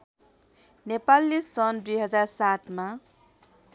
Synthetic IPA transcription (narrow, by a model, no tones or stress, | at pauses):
nepalːisʌnd̪ujɦʌd͡zarsat̪ma